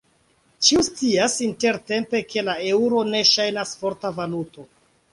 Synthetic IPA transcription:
t͡ʃiust͡siasinte̞ɾte̞mpe̞kʰe̞laeuɾo̞ne̞ʃajnasfo̞ɾtavaluto̞

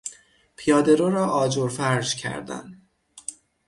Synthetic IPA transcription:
pʰiɒːd̪eɾoɾɒːʔɒːd͡ʒoɾfæɾʒcʰæ̰ɾd̪æ̰nd̪

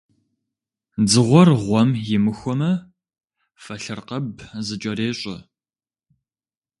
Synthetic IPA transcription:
d͡zɨʁʷɔrʁʷɔmjɪmɨxʷɔmɐ | fɐɬɨrqɐbzɨt͡ʃʼɐɾeːɕʼɐ̰

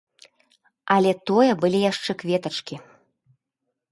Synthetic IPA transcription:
alʲɛt̪ojɛbɨlʲijaʂt͡ʂɛkvʲeɛt̪ət͡ʂkʲi

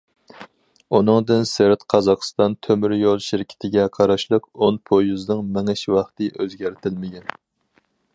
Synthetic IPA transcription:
unɨŋd̪ɨnsɪɾt̪qʰɑzɑχst̪ɑnt̪ʰømyɾjolˠʃɪɾkʲʰɪ̥t̪ʰɪɡʲɛqʰɑɾɑʃlˠəqonpʰojuznɨŋmɛŋɪʃwɑχt̪ɨʔøzɡʲæɾt̪ʰɪlmɪɡʲɛn

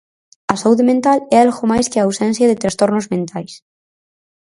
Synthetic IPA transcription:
ɐsauðemẽnt̪alɛalɣomajskeaːwsẽnθjaðet̪ɾast̪oɾnozmẽnt̪ajs

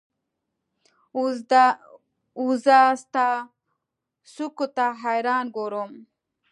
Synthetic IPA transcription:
uzast̪a | sukut̪aɦajɾɑːnɡoɾum

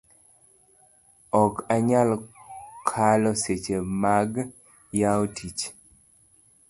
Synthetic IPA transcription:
ɔkaɲalkʰalɔset͡ʃemaɡ | jaotʰit͡ʃ

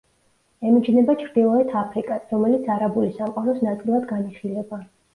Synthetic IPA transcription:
ɛmit͡ʃʰnɛbat͡ʃʰɾd̪ilˠɔɛt̪ʰapʰɾikʼasɾɔmɛlit̪sʰaɾabulisamqʼaɾɔsnat̪sʼilˠad̪ɡaniχilɛba

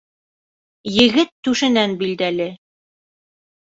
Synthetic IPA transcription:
jɘ̆ɡɘt̪ːʉʃɘ̆nænbild̪ælɘ

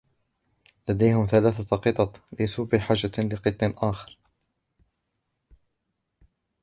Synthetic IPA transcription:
lad̪ajhʊmθalaːθaqɨt̪ˤɑt̪ˤlɪsuːbɪħaːd͡ʒːalɪqɨt̪ˤːɪlʔaːxɑɾ

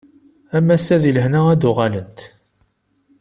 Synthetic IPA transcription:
æmːæsæðiləhnæʁæd̪ʊʁɑlənt̪

